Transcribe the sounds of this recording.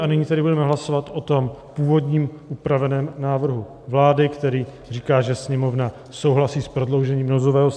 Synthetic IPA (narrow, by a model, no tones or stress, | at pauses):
ʔanɪɲiːt̪ɛdɪbudɛmɛɦlasovat̪ʔo̞t̪o̞mpuːvo̞dɲiːmʔupɾavɛnɛːmnaːvr̩ɦu | vlaːdɪkt̪ɛɾiː | riːkaːʒɛsɲɛmo̞vna | so̞wɦlasiːspɾo̞dlo̞wʒɛɲiːmnozovɛːɦos